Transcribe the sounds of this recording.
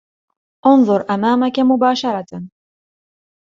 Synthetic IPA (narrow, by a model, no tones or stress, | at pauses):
ʔʊnðˤʊɾˤʔamaːmakamʊbaːʃɑɾˤɑt̪a